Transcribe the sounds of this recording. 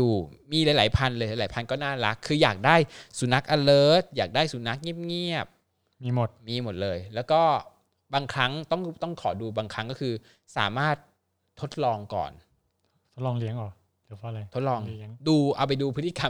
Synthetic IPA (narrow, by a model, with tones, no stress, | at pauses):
uː˨˩miː˧laː˨˩˦jlaː˨˩˦jpʰa˧nlɤː˧ja˨˦laː˩˦jpʰa˧nkɔː˥˩naː˥˩ɾa˦˥kʰːɯː˧jaː˨˩k̚daː˥˩jsu˨˩˦na˦˥k̚ʔa˧lɤː˦˥t̪̚jaː˨˩k̚daː˥˩jsu˨˩˦na˦˥k̚ŋi˥˩əp̚ŋi˥˩əp̚ | miː˧mo˨˩t̪̚miː˧mo˨˩lɤː˧jlɛː˦˥wkɔː˥˩ | baː˧ŋkʰɾa˦˥ŋt̪ɔ˥˩ŋt̪ɔ˥˩ŋkʰɔː˩˦duː˧baː˧ŋkʰa˦˥ŋkɔː˥˩kʰɯː˧ | sa̰ː˩˦maː˥˩t̪̚ʰː | o˦˥t̪̚lɔː˧ŋkɔ̰ː˨˩nʰ | o˦˥t̪̚lɔː˧ŋli˦˥əŋɔː˨˩˨ | pʰɔ˦˥˩la˧jt̪ʰo˦˥t̪̚lɔː˧ŋŋduː˧ʔa̰˨˩wpa˧jduː˧pʰt̪ʰi˧˩ka˧